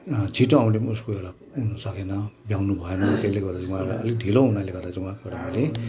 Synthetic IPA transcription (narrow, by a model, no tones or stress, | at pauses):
t͡sʰiʈõaw̃ʈimuskoewɽa | ɦunʌsʌkenʌbjawnubʱʌenʌt̪eleɡʌrd̪at͡sĩwãea̰ʌ̰lek̚ɖʱiloɦunaleɡʌrd̪at͡siwãkoewɽamʌjle